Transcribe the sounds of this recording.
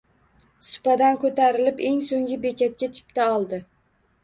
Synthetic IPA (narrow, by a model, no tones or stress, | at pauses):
sʊ̥pad̪ankot̪ʰaɾɪlɪpe̞ŋsoŋʲɪbekʲat̪̚kʲat͡ʃʰɪ̥pt̪ʰaɒlˠd̪ɪ